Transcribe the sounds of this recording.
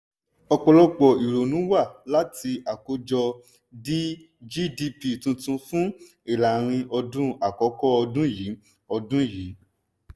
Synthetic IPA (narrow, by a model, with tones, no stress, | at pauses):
ɔ˧k͡pɔ˧lɔ˦k͡pɔ˨i˨ɾo˨nũ˨˦wa˦˨la˨˦ti˧a˨ko˨˦d͡ʒɔ˧ | di˦ | d͡ʒi˦di˧pi˨tũ˧tũ˧fũ˦ | i˦˨la˨ɾ̃ĩ˧ʔɔ˧dũ˦a˨kɔ˨˦kɔ˦ɔ˧dũ˦jiː˨˦ | ɔ˧dũ˦ji˨˦